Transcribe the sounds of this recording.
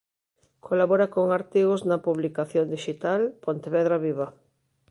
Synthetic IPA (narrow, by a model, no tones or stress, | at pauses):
kʰolaβoɾakoŋaɾt̪iɣoznɐpuβlikaθjond̪iʃit̪alpont̪eβɛðɾaβiβɐ